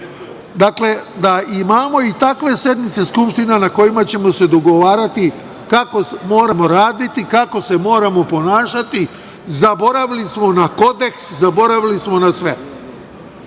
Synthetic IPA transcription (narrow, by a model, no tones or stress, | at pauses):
d̪akle̞d̪aʔimamo̞it̪akʋe̞sje̞d̪mit̪se̞skupʃt̪inanako̞jimat͡ɕe̞mo̞se̞d̪o̞ɡo̞ʋaːɾat̪i | kako̞mo̞ːɾamo̞ɾaːd̪it̪ikako̞se̞mo̞ːɾamo̞po̞naːʃat̪i | zabo̞ɾaʋilismo̞nako̞d̪e̞kszabo̞ɾaʋilismo̞nasʋe̞